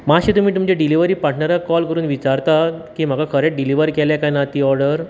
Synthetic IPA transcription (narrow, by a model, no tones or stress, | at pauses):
maɕiːt̪um̤iːt̪umd͡ʑeɖiliʋəɾiːpaʈʰnaɾakɔlkəɾuːnʋit͡ɕaɾt̪akiːm̤akakʰəɾeʈ̚ɖiliʋəɾkɛljakajnat̪iːɔɾɖəɾ